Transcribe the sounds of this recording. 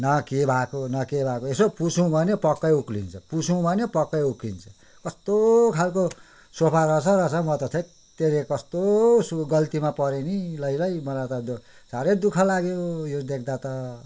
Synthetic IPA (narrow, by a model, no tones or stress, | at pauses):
nʌkebʱakonʌkebʱakoesopusʰũbʱʌnepʌkːʌjuklḭnt͡sʰʌpusʰũbʱʌnepʌkːʌjuklint͡sʰʌ | kʌst̪okʰalko | sopʰaɾʌsʰʌrʌsʌmʌt̪ʌt͡s̪ʰʌ | t̪eɾekʌst̪osuɡʌlt̪imapʌɾenilʌjlʌjmʌnat̪ʌd̪saɾed̪ukʰʌlaɡeojod̪ekʰd̪at̪ʌ